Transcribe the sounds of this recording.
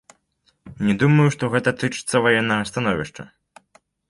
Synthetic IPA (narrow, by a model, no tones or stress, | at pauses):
nʲɛd̪umɐjuʂt̪ɔɣɛt̪ɐt̪ɨt͡ʂɨ̥t̪sːɐvajɛnːɐɣɐst̪anɔvʲiʂt͡ʂɐ̰